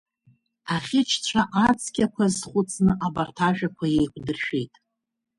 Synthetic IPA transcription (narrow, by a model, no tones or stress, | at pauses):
aχʲɪt͡ʃʰt͡ɕʷʰaʔat͡sʰʼɡʲakʷʰazχʷʊt͡sʼnɨʔabartʰaʒᶣakʷʰajejkʷʰʼdɨrʃᶣejtʼ